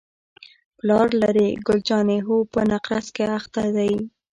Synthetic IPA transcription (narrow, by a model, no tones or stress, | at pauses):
plɑɾlaɾiɡʊld͡ʒɑneɦopənaqɾaskeaxt̪ad̪aj